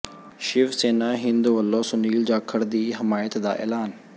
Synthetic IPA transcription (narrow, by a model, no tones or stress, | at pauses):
ʃɪʋseːnaːɦɪ̃nd̪uʋɐlːosʊniːld͡ʑaːkʰəɽd̪iːɦɪmaːjət̪d̪a̰ːʔḛːlaːn